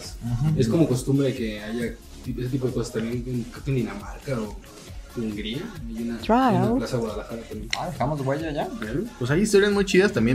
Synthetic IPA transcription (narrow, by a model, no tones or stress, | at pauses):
saaesko̞mo̞ko̞st̪umbɾeðeke̞aʝa | t̪ieset̪ipo̞ðeko̞sḁst̪ambjenekɾot̪oend̪inamaɾkao | uŋɡɾiaunat̪aakasaðewaðalaxaɾat̪amjenaðexamozɣweʝaʝakaɾupwesajist̪o̞ɾjazmujt͡ʃiðast̪ambje